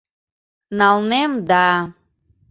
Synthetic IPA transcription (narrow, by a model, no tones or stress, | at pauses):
nalˠnemd̪a